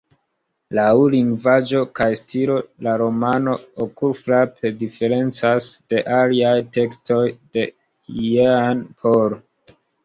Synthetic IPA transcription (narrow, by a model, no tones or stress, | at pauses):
lawuliŋɡvad͡ʒo̞kajstʰiɾo̞laɾo̞mano̞okuɾfɾapʰedife̞ɾe̞nt͡sasd̥e̞ʔaliajte̞ksto̞jde̞ | jeanpʰoɾ